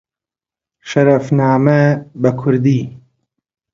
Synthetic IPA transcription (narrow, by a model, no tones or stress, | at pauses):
ʃɐɾɐfnaːmɐbɐkʰʊɾd̪iː